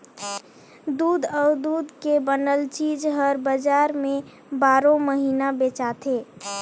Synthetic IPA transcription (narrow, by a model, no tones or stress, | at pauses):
d̪uːd̪ɔːd̪uːd̪kebənəlt͡ʃid͡ʒɦəɾbəd͡ʒaːɾmẽ | baːɾõməɦiːnabet͡ʃat̪ʰe